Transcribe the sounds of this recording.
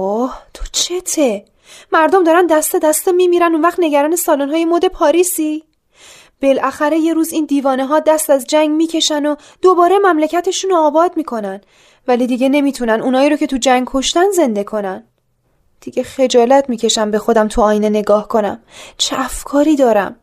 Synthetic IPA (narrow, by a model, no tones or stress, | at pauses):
oht̪ʰo̥t͡ʃʰet̪ʰe | mæɾd̪omd̪ɒːɾænd̪æst̪ed̪æst̪emiːmiːɾænunvæχt̪ne̞ɟæɾɒːnesɒːlonɦɒːjemod̪e̞pʰɒːɾiːsiː | b̥e̞lʔæxæɾe̞je̞ɾuːziːnd̪iːvɒːneɦɒːd̪æst̪æzd͡ʒæŋɡmiːcʰe̞ʃæno | d̪̥obɒːɾe̞mæmlecʰæt̪ʰe̞ʃunoɒːbɒːd̪miːkʰo̞næn | væliːd̪iɡe̞ne̞miːt̪ʰunænuːnhɒːiːɾocʰe̞t̪ʰud͡ʒæŋɡkʰo̞ʃt̪ænze̞nd̪e̞kʰo̞næn | d̪̥iɟexe̞d͡ʒɒːlæt̪ʰmiːcʰe̞ʃæmbe̞xo̞d̪æmt̪ʰuɒːjne̞ne̞ɡɒːhkʰo̞næ̰mt͡ʃʰeʔæfkʰɒːɾiːd̪ɒːɾæ̰m